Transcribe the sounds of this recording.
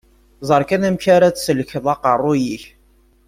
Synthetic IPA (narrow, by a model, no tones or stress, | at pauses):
zˤəɾˤkænæmçaɾæt͡ssələçəðˤɑqərˤːʊjiç